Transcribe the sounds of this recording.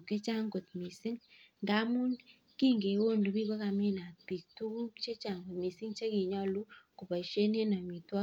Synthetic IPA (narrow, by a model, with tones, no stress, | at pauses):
ke˦t͡ʃa˦ŋɡo˨tmi˨si˦ŋnda˦mu˦n | ki˦ŋɡe˨o˦ndu˨bi˦ko˦ka˨mi˦na˨pi˨tu˦ku˦t͡ʃe˦t͡ʃa˨ŋɡo˨tmi˨si˦ŋt͡ʃe˦ki˨ɲɔ˦lu˦ku˨pa˨ʃe˦ne˦na˨mi˨twa˦